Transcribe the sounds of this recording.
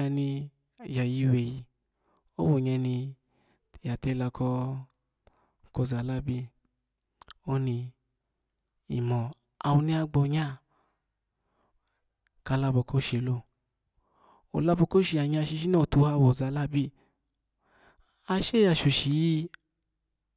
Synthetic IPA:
a˧ni˧˨ | ja˨ji˧we˨ji˧ | o˦wo˨ɲɛ˧ni˧˨ | ja˨te˧la˧kʰɔ˧˦ | kɔ˧˨za˨la˦bi˦˨ | o˦ni˧ | i˨mɔ˨ | a˧wu˧ni˧˦a˧ɡ͡bɔ˧ɲa˦˨ | ka˧la˧bɔ˨˧˨ko˦ʃe˨lo˧˨ | o̰˨la˧bɔ˧ko˦ʃi˧a˨ɲ˦˧a˧˨ʃi˧ʃ̬i˦nɔ˦o˨tu˧˦ha˧˨wo˨za˨˦la˦bi˦˨ | a˧ʃe˦ja˨ʃu˨ʃi˨ji˧˦

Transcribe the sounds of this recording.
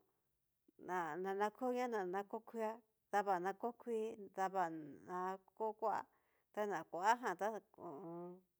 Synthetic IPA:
nã˨nã˧nã˧kʰo˦ɲã˦nã˨nã˧ko˦kʰʷi˦a˦ | ða˧βa˨nã˧ko˦kʰʷi˦d̪a˧βa˧˨nã˧ko˦kʷa˦ʔa̰˦ | t̪a˦nã˨kʷa˨ʔa˦ɦã˧˨t̪a˦õ˨˧

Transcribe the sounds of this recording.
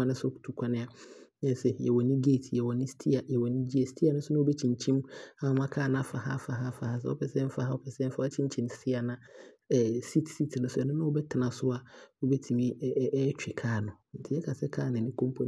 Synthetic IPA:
a˦nɪ̃˦sʊ˦˨tʰu˨kʷʰa˦nɪ̃˦a˨ɲɛ̃˦˨sɛ˦˨jɛ̰˨wɔ˨nĩ˦ɡeː˦˨tʰjɛ˨wɔ˨nɪ̃˦stʰi˦a˨jɛ˨wɔ˨nɪ̃˦d͡ʑi˦a˨si̥˦tʰi˦a˨nʊ̃˦sʊ˦nã˦o˦bɛ˦t͡ɕʰĩ˨ɲ˨t͡ɕʰĩ˦ma˨m˦ã˦kʰaː˦˨nã˦˨fa˨ɦa˦fa˨ɦa˦fa˨ha˦s̬ɛ̰˦ɔ̰˦pʰɛ˨sɛ˦m̩˦fa˦ha˦wɔ˦pʰɛ˨sɛ˦m̩˦fa˦a˦t͡ɕʰɪ̃˦ɲ̩˦t͡ɕʰĩ˨n˨stʰɪ˦a˨nã˨ | si˦tsi˦tʰnʊ̃˨˦sʊ˦ɛ˨nʊ̃˦nã˦ɔ˦bɛ˦tʰɪ˨nã˨sʊ˦a˨o˦bɛ˦tʰi˨mĩ˦t͡ɕᶣɪ˨kʰaː˦˨nʊ̃˨n̩˨tʰɪ˨˦jɛ˦kʰa˨sɛ˦kʰaː˦˨nɪ̃˨nɪ̃˦kʰõ˦m˦pʰo˨˦

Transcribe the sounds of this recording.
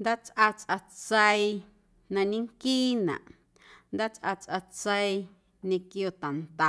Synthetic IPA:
nd̪a˦t͡sʔa˧t͡sʔa˧t͡sə˧i˧ | nã˧ɲĩ˦ŋkiː˦nã̰˨ʔ | nd̪aː˦t͡sʔa˧t͡sʔa˧t͡sə˧i˧ | nẽ˧kjo˧t̪a˨nt̪a˨

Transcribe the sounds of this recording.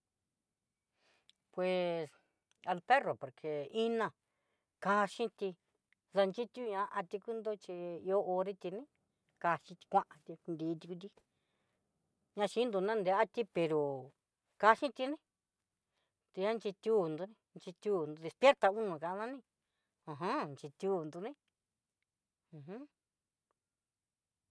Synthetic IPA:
pwe˨s | a˧lpe˦ro˨po˨ɾkʰe˨i˦nã˧˨ | ka˧ʃĩ˦t̪i˧ | ða˧nt͡ʃi˦t̪ʲu˦ɲã˧˦ʔa˧t̪i˧ku˦nd̪o˦t͡ʃi˧i˧o˦ʔo˧ɾi˦t̪i˧nĩ˦ | ka˧ʃĩ˧t̪i̥˧kʷã˦˧ʔã˧t̪i˧nd̪iː˧˦˧t̪i˧ku˧t̪̬i˦ | ɲã˧ʃĩ˦nd̪u˧nã˦nd̪e˧˦a˦t̪i˦pe˨ɾo˨ | ka˧ʃĩ˦t̪i˧nĩ˦ | t̪i˧ã˦nt͡ʃi˧t̪ʲu˦˨nd̪o˧nĩ˦˧nt͡ʃi˧t̪ʲu˦˧nd̪u˧ði˧spje˦ɾt̪a˧u˦nũ˨kã˧˨˧nã˦nĩ˦ | ã˨ɦã˦nt͡ʃi˧t̪ʲu˧˦nd̪u˧nĩ˦ | ũ˧ɦũ˦

